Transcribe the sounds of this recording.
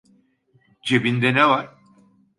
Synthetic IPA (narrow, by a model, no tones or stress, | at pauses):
d͡ʒebind̪ɛnevaɾ̥